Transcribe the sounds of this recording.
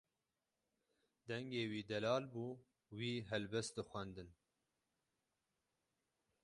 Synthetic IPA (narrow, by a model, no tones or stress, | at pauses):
d̪ɛŋɡeːwiːd̪ɛlɑːlbuː | wiːɦɛlbɛst̪̚d̪ɨxʷɛnd̪ɨn